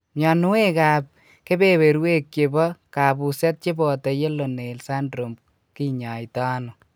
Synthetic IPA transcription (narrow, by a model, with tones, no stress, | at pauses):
mja˨nu˦we˦ka˨p̚ | ke˦be˦we˨ɾwe˦k̚t͡ʃe˨bɔ˦ka˨pu˨sɛ˦t̚t͡ʃe˦bɔ˨tɔ˨je˦lo˨ne˨lsa˦ndɾo˨mb̚ | ki˦ɲa˨jtaː˦nu˨